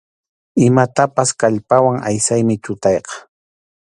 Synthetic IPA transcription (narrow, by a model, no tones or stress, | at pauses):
ɪmat̪apaskaʎpawaŋʔa̰jsajmɪt͡ʃ̪ʊt̪ɑjqɑ̥